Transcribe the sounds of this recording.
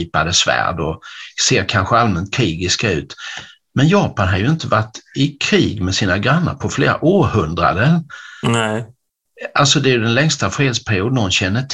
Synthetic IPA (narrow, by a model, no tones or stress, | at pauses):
iːpad̪əsvæ̰ːɖɔseːɾkʰanɧəalmɛnt̪̚kʰɾiːɡɪskaʉ̟̰ːt̪ | mɛnjɑːpanɦad̪jɵɪnt̪əvaʈːɪkʰɾiːɡmɛsiːnaɡɾanːə̰ɾpʰɔfleːɾa̰ʔoːɾhɵnd̪ɾa̰d̪ə | alsɔd̪ɛːjɵd̪ɛnlɛŋst̪afɾeːd̪spʰæɾɪuːd̪nɔnɕɛnːəʈʰ